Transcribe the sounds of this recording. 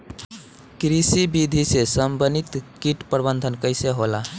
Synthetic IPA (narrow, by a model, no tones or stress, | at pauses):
kɾisibid̪ʱisesəmbənit̪kiʈpɾəbənd̪ʱənkəɪseɦola